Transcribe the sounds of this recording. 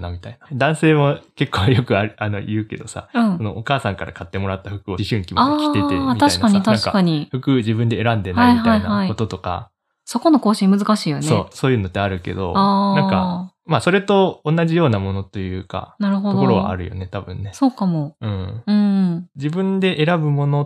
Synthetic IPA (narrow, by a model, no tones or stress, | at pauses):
namʲit̪ainad̪ãɰ̃se̞ːmo̞ke̞kːoːjo̞kɯ̟aɾɯano̞̰jɯ̟ːke̞̰d̪o̞sa̰ɯ̃ɴsono̞̰ʔokaːsãŋkaɾʔa̰kat̪ːe̞mo̞ɾat̪ːaɸɯ̟kɯ̟oiɕɯ̃ŋkʲimakʲi̥et̪eiaɕai̥nkaɲit̪anaɕŋikakaɲ̟iɸɯ̟kɯ̟d͡ʑibɯ̟nd̪e̞ːɾãnd̪e̞naiiht̪ainaaikot̪o̞t̪o̞ka̰ | so̞ko̞no̞ko̞ːɕĩmɯzɨkaɕiːjoneoːso̞ːjɯ̟ːno̞t̪ːeaɾɯ̟ke̞̰d̪o̞̰aːnãka̰ | masoɾe̞t̪o̞ːnːaʑijo̞ːnamo̞no̞t̪o̞jɯ̟ːka̰naɾɯhood̪okoɾo̞βa̰a̰ɾɯ̟̰jo̞̰ne̞t̪abɯ̟̰̃nːe̞so̞ːkamoɯ̟̃ːɯ̟̃ɴ̃d͡ʑibɯ̟̃nd̪e̞ʔeɾabɯ̟mo̞no̞